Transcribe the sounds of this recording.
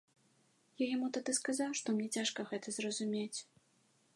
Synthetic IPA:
jajamut̪ad̪ɨskazawʂt̪ɔmnʲɛt͡sʲaʂkɐɣɛt̪ɐzrɐzumʲet͡sʲ

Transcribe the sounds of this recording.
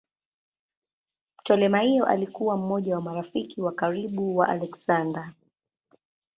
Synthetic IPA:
m̩tɔlɛmahijɔʔa̰likuwam̩mɔʄawamaɾafikiwakaɾiɓuwaʔalɛksanda

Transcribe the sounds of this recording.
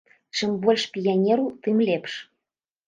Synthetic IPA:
ʃɘ̆mbolʲʃpʲijanʲeɾut̪ɨmlʲepʃ

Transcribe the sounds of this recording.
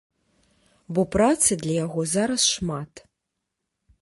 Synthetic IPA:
bɔpɾat̪sɨd̪lʲɐjaɣɔzaɾɐsʂmat̪

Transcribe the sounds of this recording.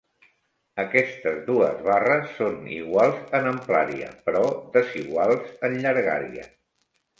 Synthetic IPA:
əkɛst̪əzðuəzβarəsːonḭɣwalˠzənəmplaɾiə̰pɾɔðəziɣwalˠzənʎəɾɣa̰ɾḭə̰

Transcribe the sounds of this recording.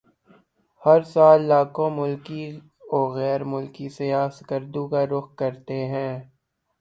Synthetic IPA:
hɐɾsaːlːaːkõmʊlki | ɔːɣɛːɾmʊlkisejaːsɡəɾd̪ũkaɾʊxkɐɾt̪eɦɛ̃ː

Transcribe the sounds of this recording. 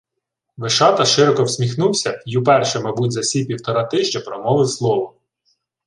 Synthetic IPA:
ʋɪʃɑt̪ɐʃɪɾɔkɔwsʲmʲixnuwsʲɐiupɛrʃɛmɐjbutʲzɐsʲipʲiwt̪ɔɾɑt̪ɪʒt͡ʃɐpɾɔmɔlˠɪslˠɔʋɔ

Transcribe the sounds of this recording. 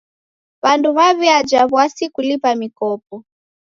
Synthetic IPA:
βanduβaβiad͡ʒaβwasikulipamikɔp̚ɔ

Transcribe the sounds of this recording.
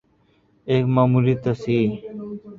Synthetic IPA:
ekmamuɾit̪ɐsi

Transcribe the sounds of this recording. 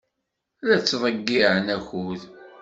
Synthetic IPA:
læt͡sːðˤəɡːiʕənæçuð

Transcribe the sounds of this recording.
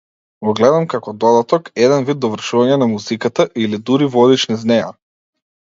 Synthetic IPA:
ɡɔɡlɛd̪amkakɔd̪ɔd̪at̪ɔkɛd̪ɛnvid̪̚d̪ɔvr̩ʃuvaɲɛnamuzikat̪aʔilid̪uɾivɔd̪it͡ʃniznɛja̰

